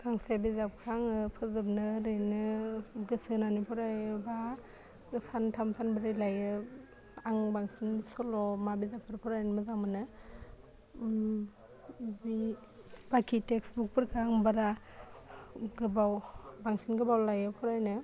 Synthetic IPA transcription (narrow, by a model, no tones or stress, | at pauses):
ɡ̥aŋsebizap̚kʰaŋɯpʰɯzɯp̚nɯɾɯjnɯɡɯsɯnanipʰuɾajɯba | ɯsantʰamtʰanbɯɾejlajɯ | aŋbaŋsinsɔlɔmabizapʰɯɾpʰuɾajnɯmɯzamɯnɯ | bi | b̥akʰiteksbuk̚pʰɯɾkʰaŋbaɾa | ɡɯbawbaŋsinɡɯbawlajɯpʰuɾajnɯ